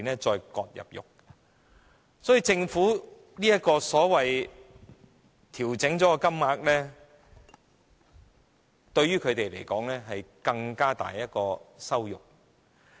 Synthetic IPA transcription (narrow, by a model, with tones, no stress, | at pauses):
nlɛː˥t͡sɔː˧jkɔː˧t̚jɐ̰˨p̚jʊ̰˨k̚ | sɔː˨˥jiː˨˧t͡sɪ˧ŋfuː˨˥ | niː˥jɐ˥t̚kːɔː˧sɔː˨˥wɐ˨j | t̪ʰiː˨˩wt͡sɪ˨˥ŋt͡sɔː˨˥kɔ˧kɐ˥mŋaː˧k̚lɛː˥ | t̪ɵ˧ɥyː˥kʰɵ˨˧t̪e˨jlḛ˨˩jkɔː˨˥ŋlɛː˥ɦɐ˨jkɐ˧ŋkaː˥t̪a̰ː˨jːɐ˥t̚kɔː˧sɐ˥wjʊ̰˨k̚